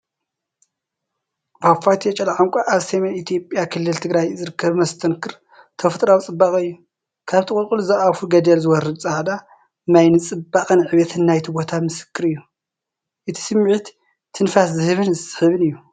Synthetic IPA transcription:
bafat̪ʰiet͡ʃʼɐlaʕaŋkʷʼaʔaβsemenit̪ʰjo̞pʼjakʰɨlːɨlt̪ʰɨɡɾajzɨɾɨkʰːɐβmɐst̪ʰɐnkʰɨɾ | t̪ʰɐft̪ʼɾawt͡sʼɨbːaχʼɨjːu | kʰaβt̪ʰɨkʼʊlkʼuluzɐʔafuɡɐd̪ɐlzɨwɔɾɨd̪t͡sʼaʕd̪a | majnɨt͡sʼɨbːaχʼɨnʕɨβɐt̪ʰɨnːajt̪ʰibo̞t̪ʰamɨsɨ̥kʰːɨɾɨjːu | ʔɨt̪ʰi̥sɨmːʕɨt̪ | t̪ʰːɨnfaszɨhɨβɨnsɨħɨβɨnɨjːu

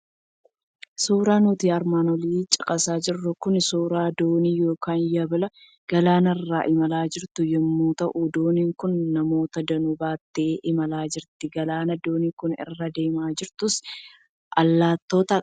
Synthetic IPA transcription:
suːɾaːnʊt̪iːɐɾmaːnɔliːt͡ʃʼɪkʼɐsaːd͡ʒɪrːʊkʊnɪsuːɾaːd̪o̞ːniːjo̞ːkaːnjɐbɪlɐ | ɡ̥ɐlaːnɐɪrːaːʔɪmɐlaːd͡ʒɪɾt̪ʊjɛmːuːt̪ɐʔud̪o̞ːniːŋkʊnːɐmo̞ːt̪ɐd̪ɐnʊbaːt̪ːeːʔɪmɐlaːd͡ʒɪɾt̪ɪɡɐlaːnɐd̪o̞ːniːkʊnɪ̰rːɐd̪e̞ːmaːd͡ʒɪɾt̪ʊs | ʔɐlːaːt̪ːo̞ːt̪ɐ

